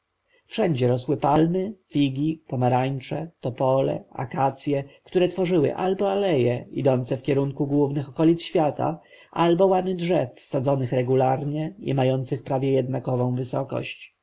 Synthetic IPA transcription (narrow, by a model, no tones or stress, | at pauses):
fʂɛɲd͡ʑɛɾɔswɘpalmɘfʲiɡʲipɔmaɾaɲt͡ʂɛt̪ɔpɔlɛ̰a̰kat̪sʲjɛkt̪uɾɛt̪fɔʐɘwɘ̰ʔalbɔalɛjɛḭd̪ɔnt̪sɛfkʲɛɾuŋkuɡwuvnɘxɔkɔlʲit̪sɕfʲjat̪a̰ | ʔalbɔwanɘdʐɛfsad̪zɔnɘxɾɛɡulaɾɲɛḭmajɔnt̪sɘxpɾavʲjɛjɛd̪nakɔvɔ̃w̃vɘsɔkɔ̰ɕt͡ɕ